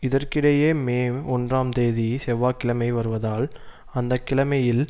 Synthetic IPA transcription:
ɪðɐrkɪɽɐjeːmeːɔndraːmt̪eːðisɛʋaːkːɪlɐmɐɪʋɐɾɯʋɐðaːl | ɐnd̪ɐkːɪlɐmɐjɪl

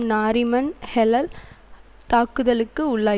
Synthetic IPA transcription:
naːɾɪmɐnhɛlɐl | t̪aːkɯðɐlɯkːɯʊɭːaː

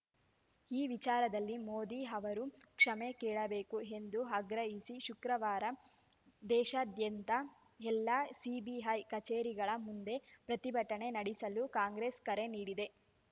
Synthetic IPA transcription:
iːʋit͡ʃaːɾɐd̪ɐlːimoːd̪iɦɐʋɐɾukʂɐmekɛːɭɐbe̞ːkuɦe̞nd̪uɦɐɡɾɐɦisiʃukɾɐʋaːɾɐ | d̪ɛːʃaːd̪ʱjɐnt̪ɐ | ɛlːasiːbiɦɐjkɐt͡ʃeːɾiɡɐɭɐmund̪e̞pɾɐt̪ibʱɐʈːɐɳe̞nɐɽisɐlukaːŋɡɾeskɐɾeniːɽid̪e̞

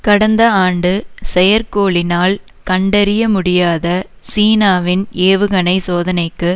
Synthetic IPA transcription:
kɐɽɐnd̪ɐaːɳɖɯsɛjɐɾkoːɭɪnaːl | kɐɳɖɐɾɪjɐmʊɽɪjaːðɐ | siːnaːʋɪneːʋɯɣɐnɐɪsoːðɐnɐɪkːɯ

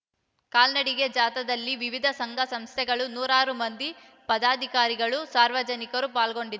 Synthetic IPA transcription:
kaːlnɐɽiɡed͡ʒaːt̪ɐd̪ɐlːiʋiʋid̪ʱɐsɐŋɡʱɐsɐmst̪ʰɛɡɐɭunuːɾaːɾumɐnd̪i | pɐd̪aːd̪ʱikaːɾiɡɐɭusaːɾʋɐd͡ʒɐnikɐɾupaːlɡo̞ɳɖid̪

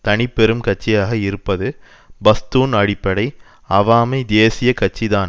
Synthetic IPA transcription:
t̪ɐɳɪpːɛɾɯmkɐʈ̚t͡ʃːɪjaːɣɐɪɾɯpːɐðɯ | bɐst̪uːnɐɽɪpːɐɽɐɪ | ɐʋaːmɐɪd̪eːsɪjɐkɐʈ̚t͡ʃːiðaːn

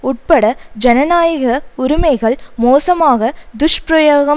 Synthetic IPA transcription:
ʊʈ̚pɐɽɐd͡ʒɐnɐnaːjɐɣɐʊɾʊmɐɪɣɐɭmoːsɐmaːɣɐd̪ʊʂpɾɐjoːɣɐ

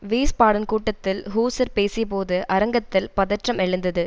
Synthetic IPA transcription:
ʋiːspaːɽɐnkuːʈːɐt̪ːɪlɦuːsɐɾpeːsɪjɐpoːðɯʔɐɾɐŋɡɐt̪ːɪlpɐðɐʈrɐmɛɻɯnd̪ɐðɯ

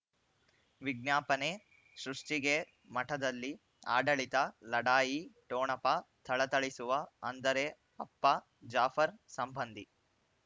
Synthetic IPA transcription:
ʋiɡnjaːpɐne | ʃɾuʂʈiɡe | mɐʈʰɐd̪ɐlːi | a̰ːɖɐɭit̪ɐlɐɽaːjiʈoːɳɐpɐt̪ʰɐɭɐt̪ɐɭisuʋɐɐnd̪ɐɾe | ɐpːɐ | d͡ʒaːfʰɐɾsɐmbɐnd̪ʱi

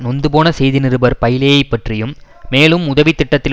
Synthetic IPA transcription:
nɔnd̪ɯpoːnɐsɛjðɪnɪɾɯbɐɾpɐjɪlejɐɪpːɐʈrɪjɯmː | eːlɯmʊðɐʋɪt̪ːɪʈːɐt̪ːɪl

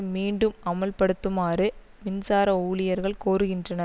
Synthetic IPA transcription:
miːɳɖɯmɐmɐlpɐɽɯt̪ːɯmaːrɯ | mɪnsaːɾɐuːɭɪjɐɾɣɐɭkoːɾɯɣɪndrɐnɐɾ

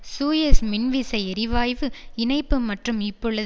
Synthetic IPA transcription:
suːjɛsmɪnʋɪsɐɪɛɾɪʋaːjʋɯɪnɐɪpːɯmɐʈrɯmɪpːɔɭːɐ

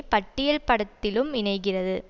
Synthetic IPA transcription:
pɐʈːɪjɐlpɐɽɐt̪ːɪlɯmɪɳɐɪɣɪrɐðɯ

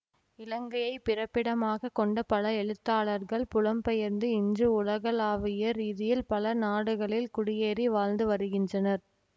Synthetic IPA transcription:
ɪlɐŋɡɐjɐɪpɪrɐpːɪɽɐmaːɣɐkɔɳɖɐpɐlɐɛɻɯt̪ːaːɭɐɾɣɐɭpʊlɐmpɛjɐɾnd̪ɯɪɲd͡ʒɯʊlɐɣɐlaːʋɪjɐɾiːðɪjɪlpɐlɐnaːɽɯɣɐɭɪlkʊɽɪjeːɾiʋaːlnd̪ɯʋɐɾɯɣɪndrɐnɐɾ

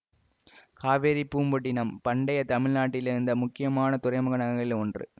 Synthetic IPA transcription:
kaːʋeːɾipːuːmbɐʈːɪnɐmpɐɳɖɐjɐt̪ɐmɪɻnaːʈːɪlɪɾɯnd̪ɐmʊkːɪjɐmaːnɐt̪ʊrɐɪmɐɣɐnɐɣɐɣɐɭɪlɔndrɯ̰

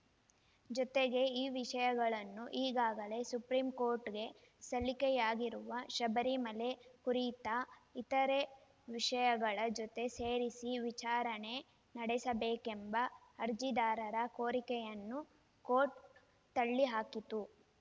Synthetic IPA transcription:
d͡ʒɔt̪eɡe̞iːʋiʂɐjɐɡɐɭɐnːuʔiːɡaːɡɐle̞supɾiːmko̞ːɾʈɡe̞ | sɐlikɛjaːɡiɾuʋɐʃɐbɐɾimɐle̞kuɾit̪ɐit̪ɐɾe̞ | ʋiʂɐjɐɡɐɭɐd͡ʒɔt̪e̞seːɾisiʋit͡ʃaːɾɐne̞ | nɐɽɛsɐbeːkembɐːɾd͡ʒid̪aːɾɐɾɐko̞ːɾikɛjɐnːu | koːʈ | t̪ɐɭːiɦaːkit̪u

